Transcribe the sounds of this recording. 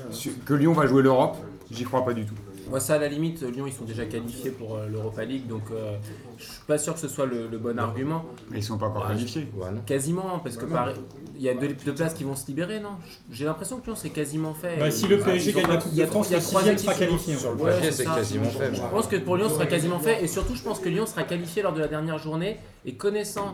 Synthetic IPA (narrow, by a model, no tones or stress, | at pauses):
sykəljɔ̃vaʒweløʁɔp | ʒikχwapad̪yt̪u | mwasaːlalimit̪ljɔ̃ilsɔ̃d̪eʒakalifjepuʁøløʁɔpaliɡd̪ɔ̃kø | ʒsɥi̥pasyʁkəsəswalələbɔnaʁɡʲymɑ̃ | eilsɔ̃paɑ̃kɔʁkalifjekazimɑ̃paʁsəkəpaʁɛ | iljad̪əd̪əplaskʲivɔ̃səlibeʁenɔ̃ʒəʒelɛ̃pχesjɔ̃kəljɔ̃sɛkazimɑ̃fɛsiləpeʒesaljat̪iljat̪χwazat̪iakalifjẽɔwɛseɛsɛaazimɑ̃fɛəpɑ̃skəpuʁljɔ̃səʁakazimɑ̃fɛesyʁt̪uʒəpɑ̃skəljɔ̃səʁakalifjelɔʁd̪əlad̪ɛʁnjɛʁʒuʁneː | kɔnɛsɑ̃